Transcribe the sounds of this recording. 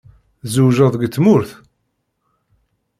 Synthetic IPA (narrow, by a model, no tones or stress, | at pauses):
zuʒəðˤɡt͡sːmʊɾθ